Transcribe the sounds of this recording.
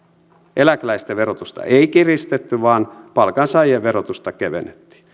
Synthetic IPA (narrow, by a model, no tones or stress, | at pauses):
ʔelæklæist̪æʋerot̪ust̪ɑ̰eikirist̪et̪ːyʋɑːnpɑlkɑnsɑijeʋʋerot̪ust̪ɑkeʋḛnet̪ːi̥ː